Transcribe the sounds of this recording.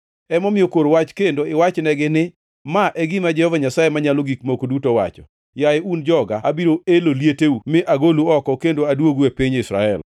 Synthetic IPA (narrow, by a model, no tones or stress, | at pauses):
ɛmɔmɪjokoɾowat͡ʃkendoɪwat͡ʃnɛɡɪnɪ | maʔɛɡɪmad͡ʒɛhɔvaɲasajemaɲaloɡikmokodutowa̰t͡ʃɔ̰ | jajeund͡ʒɔɡaabiɾoeloljeteumɪʔaɡoluɔkɔkendoadwoɡuepiɲɪsɾa̰ɛ̰l